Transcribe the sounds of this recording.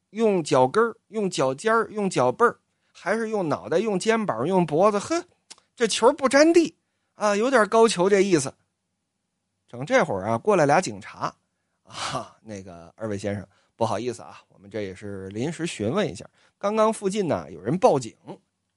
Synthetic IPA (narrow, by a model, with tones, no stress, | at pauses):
jʊ˥˩ŋt͡ɕjɑ˨˩ʊkə˥jʊ˥˩ŋt͡ɕjɑ˨˩ʊt͡ɕjɑ˥jʊ˥˩ŋt͡ɕjɑ˨˩ʊpə˥˩ | xa˧˥ɪʂɻ̩˥˧jʊ˥˩ŋnɑ˨˩ʊd̪ə˦jʊ˥˩ŋt͡ɕjɛ˥npə˞˨˩˥jʊ˥˩ŋpwɔ˧˥d͡zə˧xɤ˥ | ʈ͡ʂɤ˥˩t͡ɕʰjo˧˥pu˥˩ʈ͡ʂa˥nt̪i˥˩ | ɐ˧˩jo˧˥ʊt̪jɑ˨˩kɑ˥ʊt͡ɕʰjo˧˥ʊʈ͡ʂɤ˥˧ɡə˧i˥˩s̬̩˩ | ʈ͡ʂɤ˨˩ŋʈ͡ʂe˥˩xwə̰˞˨˩ɐ˧kwɔ˥˩la˧˥ɪlja˧˥t͡ɕi˨˩ŋʈ͡ʂʰa˧˥˧ | ne˥˩ɪɡə̰˩ə̰˞˥˧we˥˩ɪɕjɛ˥nʂɤ̰˨˩ŋ | pu˥˩xɑ˨˩ʊi˥˩sɹ̩˩ɐ̰˨˩wɔ̰˨˩mə˦nʈ͡ʂɤ˥˩jɛ̰˨˩ʂɻ̩˥˩li˧˥nʂɻ̩˧˥ɕy˧˥nwə˧˥nḭ˧˥ɕja̰˥˩ | kɑ˥ŋkɑ˥ŋfu˥˧t͡ɕi˥˩nə̰˩jʔo̰˨˩ʊɻə˧˥npɑ˥˩ʊt͡ɕḭ˨˩˦ŋ